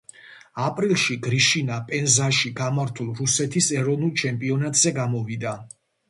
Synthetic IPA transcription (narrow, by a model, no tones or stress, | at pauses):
apʼɾilˠʃiɡɾiʃinapʼɛnzaʃiɡamaɾt̪ʰulˠɾusɛt̪ʰisɛɾɔvnulˠt͡ʃʰɛmpʼiɔnat̪ʼz̥ɛɡamɔvid̪a